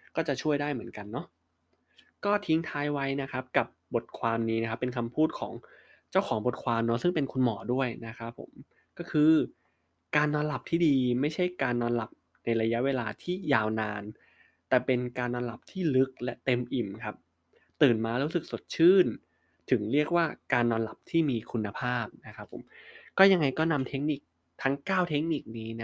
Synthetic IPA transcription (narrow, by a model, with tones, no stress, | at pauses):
kɔː˥˩t͡ɕa˨˩t͡ɕʰu˥˩əjdaː˥˩jmɯ˩˦ənka˧nːɔ˦˥ʔ | kɔː˥˩t̪ʰi˦˥ŋt̪ʰaː˦˥jwa˦˥jna˦˥kʰɾa˦˥p̚ka˨˩p̚bo˨˩t̪̚kʰwaː˧mniː˦˥na˦kʰa˦˥pːe˧nkʰa˧mpʰuː˥˩t̪̚kʰɔ̰ː˩˦ŋ | t͡ɕa˥˩wkʰɔː˩˦ŋbo˨˩t̪̚kʰwaː˧mnɔ˦˥sɯ˥˩ŋpe˧nkʰu˧nmɔː˩˦du˥˩əjna˦˥kʰɾa˦˥pʰːo̰˨˩˦m | kɔː˥˩kʰɯː˧ | kaː˧nːɔː˧nla˨˩p̚t̪ʰiː˥˩diː˧ma˥˩jt͡ɕʰa˥˩jkaː˧nːɔː˧nla˨˩p̚ | na˧jɾa˧ja˦˥ʔweː˧laː˧t̪ʰiː˥˩jaː˧˩wnaː˧n | t̪ɛː˨˩pe˧nkaː˧nːɔː˧nla˨˩p̚t̪ʰiː˥˩lɯ˦˥k̚lɛ˦˥ʔt̪e˧mʔi˨˩mkʰa˦˥p̚ | t̪ɯː˨˩nmaː˧ɾuː˦˥sɯ˨˩k̚so˨˩t̪̚t͡ɕʰɯː˥˩n | t̪ʰɯ˩˦ŋɾi˥˩ək̚waː˥˩kaː˧nːɔː˧nla˨˩p̚t̪ʰiː˥˩miː˧kʰu˧nːa˧pʰaː˥˩p̚na˦˥kʰɾa˦˥pʰːo̰˨˩˦mkɔː˥˩ja˧ŋːa˧jkɔː˥˩na˧mt̪ʰe˦˥k̚ni˨˩k̚ | t̪ʰa˦˥ŋkaː˥˩wt̪ʰe˦˥k̚ni˨˩k̚niː˦˥na˦˥